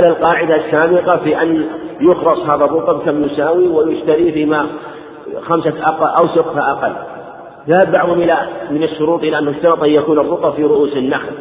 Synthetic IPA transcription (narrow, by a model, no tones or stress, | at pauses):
alalqɑːʕɪd̪asːaːbɪqɑfiːʔanjʊxɾɑsˤhaːðarˤːʊt̪ˤɑbkamjʊsaːwiwɪjʊʃt̪aɾifiːma | xamsaʔaqʔawsʊbt̪aʔaqɑlː | ðahabːɑʕðˤhʊmʔɪlamɪnɪʃːʊɾuːt̪ˤʔɪlaʔanːaʊʃt̪ɑɾɑt̪ˤʔajjakuːnɨrˤːʊt̪ˤɑbfiːɾʊʔuːsɪnːaxl